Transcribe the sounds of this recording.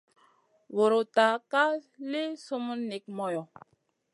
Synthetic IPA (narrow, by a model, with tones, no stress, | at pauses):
wo˨ɾo˨ta˨ka˦le˦so˦mu˦nni˨k̚mɔ˨jɔ˨